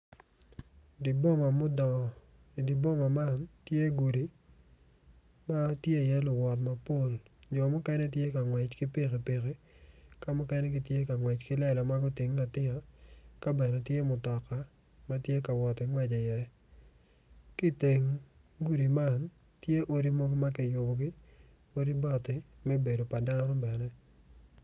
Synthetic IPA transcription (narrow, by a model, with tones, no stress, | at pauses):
di˨bo˦ma˨mʊ˦d | di˨bo˦ma˨ma˦˨ntje˦ɡu˨di˨ | ma˦tje˦˨jɛ˦lʊ˨wɔ˨t̬ma˨po˦˨ld͡ʒɔ˨mʊ˦kɛ˦nɛ˦tje˦ka˨ŋwɛ˨t͡ʃki˦pɪ˦ɣi˨pɪ˨ɣi˦ | ka˦mʊ˦kɛ˦nɛ˦ɡi˨tje˦ka˨ŋwɛ˨t͡ʃkɪ˦lɛ˦la˨ma˦ɡʊ˦tɪ˨ŋla˨tɪ˦ŋa˨ka˦bɛ˨nɛ˨tje˦mʊ˨tɔ˨ka˦ | ma˦tje˦ka˨wɔ˨tɪ˨ŋwɛ˨d͡ʒe˨jɛ˨ | ki˦te˨ŋ | ɡu˦ɾi˨ma˦˨n | tje˦ʔo˦ɾi˦mo˦ɡo˦ma˦k̬ɪ˨jʊ˨bɔ˨ɡɪ˦ | o˦ɾi˦bɔ˨tɪ˨mɛ˦be˨do˨pa˨da˦nɔ˦bɛ˨nɛ˦